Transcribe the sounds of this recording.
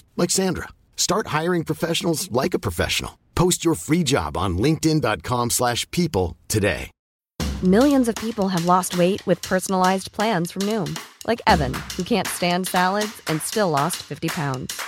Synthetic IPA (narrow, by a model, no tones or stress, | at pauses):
lɛɡz̥æ̃ndɹə̰ | stɑɹt̚haɪə˞ɪ̃ŋpʰɹ̥əfɛʃn̩l̩ˠzlaɪkəpʰɹ̥əfɛ̰ʃn̩̰l̩ˠpʰoʊst͡ʃə˞fɹid͡ʒɑ̰b̃n̩lɪ̃ŋk̚tɨ̃ndɑt̚kʰɑ̃mslæʃpʰipl̩ˠtʰɨdḛɪ | mɪlˠjɨ̃nzʌv̥pʰipl̩ˠəvlɔst̚weɪʔ̚wɨð̥pʰɜ˞sn̩l̩aɪzpʰl̥æ̃nz̥fɹʌ̃mnũmlʔa̰ɪkɛvɨ̰̃nhukʰæ̃ntstæ̃ndsælˠədzɨ̃nstɪlɔstfɪftipʰãʊ̃ndz̥